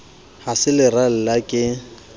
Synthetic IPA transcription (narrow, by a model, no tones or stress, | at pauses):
hasɪlɪral̩lakʼɪ